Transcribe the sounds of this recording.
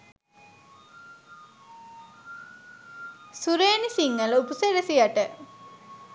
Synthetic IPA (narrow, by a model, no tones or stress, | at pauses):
suɾeːnisiŋːəlupuselesijaʈə